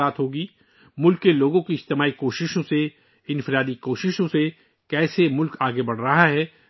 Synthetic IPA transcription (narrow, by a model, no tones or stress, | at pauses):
aːt̪ɦoːɡiː | mʊlkːeloːɡõkiɪd͡ʒt̪ɪmaːikoːʃɪʃõse | ɪ̃nfɪɾaːd̪ikoːʃɪʃõse | kɛːsemʊlkaːɡebɐɽ̤ɾɐɦaɦɛː